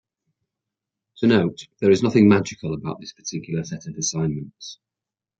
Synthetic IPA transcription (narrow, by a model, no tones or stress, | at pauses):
tʰənoʊʔðəɹɪznʌθɪ̃ŋmad͡ʒɪkʰəlˠəbaʊʔðɪspʰə̥tʰɪkʰjl̩ˠəsɛtəvɪsãɪ̃nmə̃nt